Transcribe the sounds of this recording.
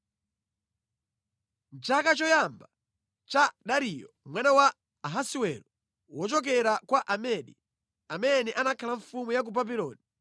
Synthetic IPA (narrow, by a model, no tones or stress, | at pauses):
n̩t͡ʃakat͡ʃɔjamba | t͡ʃaɗaɾijɔmwanawa | ɦasiwɛɾɔ | wɔt͡ʃɔk̬ɛɾakwaʔamɛɗḭ | amɛnɛʔanakʰalaɱfumujak̬ubabilɔ̰ːni